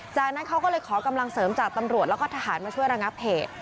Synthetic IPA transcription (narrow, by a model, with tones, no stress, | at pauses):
t͡ɕaː˨˩k̚na˦˥nkʰa˦˥wkɔː˥˩lɤː˧jkʰɔː˩˦ka˧mla˧ŋsɤː˩˦mt͡ɕaː˨˩k̚t̪a˧mɾu˨˩t̪̚lɛ˦˥kɔː˥˩t̪ʰaː˧haː˩˦nmaː˧t͡ɕʰu˥˩əjɾa˧ŋa˦˥p̚heː˨˩t̪̚